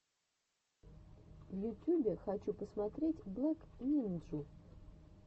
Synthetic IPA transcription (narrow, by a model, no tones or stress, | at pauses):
vjʊtʲubʲɪxɐt͡ɕupəsmɐt̪ɾʲetʲblˠoknʲinʐʊ